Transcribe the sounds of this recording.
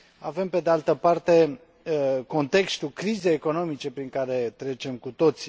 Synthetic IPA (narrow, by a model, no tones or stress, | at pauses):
ave̞mpe̞d̪ealt̪əpart̪e̞ | ko̞nt̪e̞kst̪ulkɾizejeko̞no̞mit͡ʃe̞pɾiŋkaɾe̞t̪ɾe̞t͡ʃe̞mkut̪o̞t̪sʲ